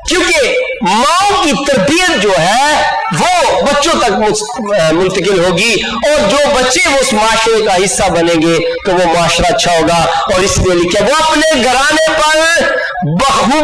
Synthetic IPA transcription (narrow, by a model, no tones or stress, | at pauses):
kjõːke | mãːkit̪ɐɾbijət̪̚d͡ʒoːɦɛ | ʋobɐtːʃõt̪ɐkm | mʊ̃nt̪əkɪlɦoːɡi | ɔːɾd͡ʒoːbɐtːʃeʋoʊsmaːʃɾekaɦɪsːabɐnẽːŋɡe | keʋomʊaːʃɾaɐtːʃʰaɦoːɡa | ɔːɾɪslielɪkʰjaʋoɐpneɡʱɐɾaːnepɐɾ | bɐ